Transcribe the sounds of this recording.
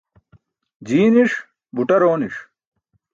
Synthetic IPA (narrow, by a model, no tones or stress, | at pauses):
d͡ʑiːniʂ | buʈɐɾoːniʂ